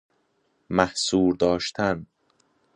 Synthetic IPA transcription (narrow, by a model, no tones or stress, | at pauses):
mæhsuːɾd̪ɒːʃt̪ʰæn